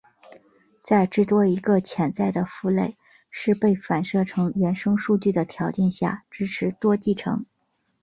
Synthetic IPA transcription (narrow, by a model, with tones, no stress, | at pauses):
t͡sa˥˧ɪʈ͡ʂɻ̩˥˩t̪wɔ˥i˧˥ɡə˧t͡ɕʰjɛ˨˩nt͡sa˥˩ɪd̪ə˩fu˥˧le˥˩ɪ | ʂɻ̩˥˧pe˥˩ɪfa˨˩nʂɤ˥˩ʈ͡ʂʰɤ˧˥ŋɥɛ˧˥nʂɤ˥ŋʂu˥˧t͡ɕy˥˩d̪ə˩t̪ʰjɑ˧˥ʊt͡ɕjɛ˥˧nɕja̰˥˩ʈ͡ʂɻ̩˥ʈ͡ʂʰɻ̩˧˥t̪wɔ˥t͡ɕi˥˩ʈ͡ʂʰɤ̰˧˥ŋ